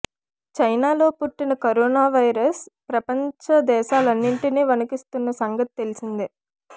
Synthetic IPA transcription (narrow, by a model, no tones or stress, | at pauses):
t͡ʃɐjnaːlo̞ːpuʈːinɐkɐɾoːnaːʋɐjɾɐspɾɐpɐɲt͡ʃɐd̪ɛːʃaːlɐnːiɳʈineːʋɐnukist̪unːɐsɐŋɡɐt̪i̥t̪e̞lisind̪i